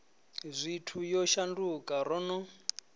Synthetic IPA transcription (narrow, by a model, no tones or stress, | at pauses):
zʷitʰujɔʃandukʼaɾɔnɔ